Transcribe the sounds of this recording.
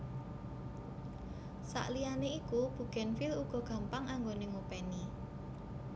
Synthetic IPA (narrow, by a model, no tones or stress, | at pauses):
sa̰ʔlijaneikub̥ṳɡ̥ɛ̤nfiluɡ̥ɔ̤ɡ̥a̤mpaŋʔaŋɡoneŋopɛni